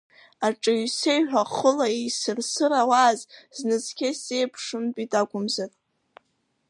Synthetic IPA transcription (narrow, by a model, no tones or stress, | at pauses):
aʈ͡ʂʼɨsejħʷᶣaχəlaisɨrsɨɾawazznɨzkʲesejpʰʂɨmbʼitʼaɡʷʼʊmzatʼ